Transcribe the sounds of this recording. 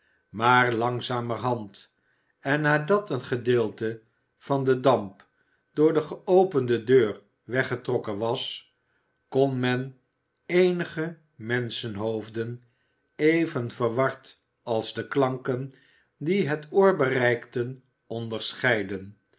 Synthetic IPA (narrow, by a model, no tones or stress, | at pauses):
maːɹlɑŋzaːmərɦɑnt | ɛnːaːdɑtənχədɪːlˠtə | v̥ɑndədɑmp | d̥ʊːɹdəχəowpəndədøːɹ | ʋɛχətrɔkənʋɑs | kɔnmɛn | ejnəχə | mɛnsənɦowvdən | ejvənvəɹʋɑɹt | ɑlˠzdəklɑŋkən | diɦətʰʊːɹbərɛjktən | ɔndəɹsχɛjdən